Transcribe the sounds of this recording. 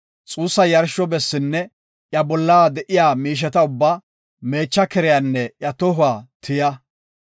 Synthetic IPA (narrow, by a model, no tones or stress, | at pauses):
t͡sʼuːsːɐjɐɾʃːɔbɛsːɪnːɛ | ʔjɐbɔlːaːd̪ɛʔɪjaːmiːʃ̬ɛt̪ɐʊbːa | me̞ːt͡ʃːɐkɛɾɪjanːɛjɐt̪ɔɦʊwaːt̪ʰɪjɐ